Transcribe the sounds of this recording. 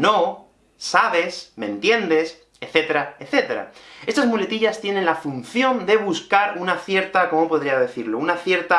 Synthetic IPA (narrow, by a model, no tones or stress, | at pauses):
no̞ | saβe̞smẽ̞nt̪je̞nd̪e̞s | eθe̞t̪e̞ɾaeθe̞t̪e̞ɾa̰e̞st̪azmule̞t̪iʎast̪je̞ne̞nlafun̟θjo̞nd̪e̞βuskaɾunaθje̞ɾt̪ako̞mo̞po̞ðɾiazðe̞θiɾlo̞unaθje̞ɾt̪a